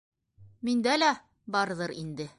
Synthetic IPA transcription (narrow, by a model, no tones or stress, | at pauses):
mind̪ælæ | bɒɾðɤɾind̪ɘ